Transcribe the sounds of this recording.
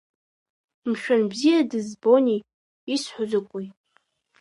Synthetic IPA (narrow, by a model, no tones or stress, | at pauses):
mʃᶣanbzijadɨzbo̞niː | sħʷʊzakʷʼuj